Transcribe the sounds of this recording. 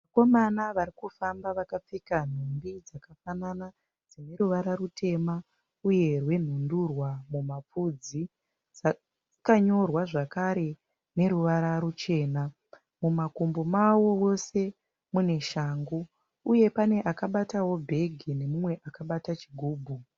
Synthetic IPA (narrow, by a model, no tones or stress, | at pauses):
ako̞manaʋaɾikufambaʋakap͡fekan̤umbid͡zakafanana | d͡zine̞ɾuʋaɾarutʰe̞ma | uje̞rwe̞n̤undurwamumap͡fud͡zi | d͡za | d͡zikaɲo̞rwaʐakaɾe̞ | ne̞ɾuʋaɾaɾut͡ʃe̞ːna | mumakumbomawowo̞se̞ | mune̞ʃaːŋɡu | uje̞pane̞ʔakaɓatawo̞bʱe̞ɡʱine̞mumwe̞ʔakaɓatat͡ʃiɡʱuːbʱu